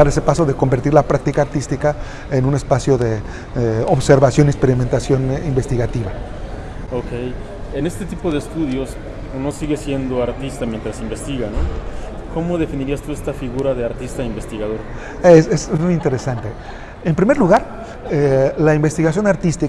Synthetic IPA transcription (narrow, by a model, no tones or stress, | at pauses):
aɾe̞sepaso̞ðeko̞mbe̞ɾt̪iɾlapɾak̚t̪ikaːɾt̪ist̪ika | enũne̞spasjo̞ðe̞ | eoβse̞ɾβasjo̞niekspe̞ɾime̞nt̪asjo̞nimbe̞st̪iɣat̪iβa | okej | ene̞st̪et̪ipo̞ðeːst̪uðjo̞s | unosiɣesje̞nd̪o̞aɾt̪ist̪amjent̪ɾasimbe̞st̪iɣano | ko̞mo̞ðe̞finiɾiast̪uest̪afiɣuɾaðe̞aɾt̪ist̪aimbe̞st̪iɣaðo̞ɾ | esesmmujint̪e̞ɾesant̪e̞ | empɾime̞ɾluɣaɾ | elaimbe̞st̪iɣas̬jo̞naɾt̪ist̪i